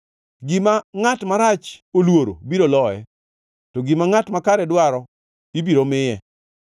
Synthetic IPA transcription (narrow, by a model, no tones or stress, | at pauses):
ɡɪmaŋatmaɾat͡ʃolwoɾo̰biɾolɔɛ̰ | tɔɡɪmaŋatmakaɾɛdwaɾɔ | ibiɾomɪjɛ